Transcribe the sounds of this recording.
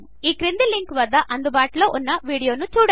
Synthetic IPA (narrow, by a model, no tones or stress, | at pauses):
iːkɾɪnd̪ilɪŋkʋɐɾd̪ɐʔɐnd̪ɯbaːʈloːʔʊnːɐʋiːɽɪjoːnũt͡ʃuːɽ